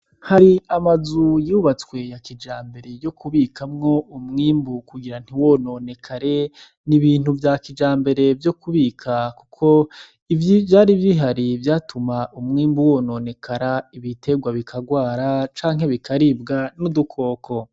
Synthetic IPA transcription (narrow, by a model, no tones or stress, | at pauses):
haɾiamazujuβat͡swe̞jakid͡ʒaːmbe̞ɾe̞jo̞kʰuβiːkʰamŋo̞ʔumŋiːmbukuɡiɾan̥iwo̞no̞ːne̞kʰaɾe̞ | niβiːn̥huvjakid͡ʒaːmbe̞ɾe̞vjo̞kuβiːkʰakukʰo̞ | ivivjaːɾivjiɦaɾivjaːtʰumaʔumŋiːmbuwo̞none̞kʰaɾaiβitʰe̞ɡwaβikʰaɡwaːɾat͡ʃaːŋɦe̞βikʰaɾibɡanudukʰo̞ːkʰo̞